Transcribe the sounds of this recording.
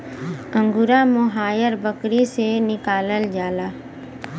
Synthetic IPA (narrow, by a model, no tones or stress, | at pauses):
ə̃ŋɡʊɾamʊɦaːjəɾbəkɾisenɪkaːləld͡ʒaːlaː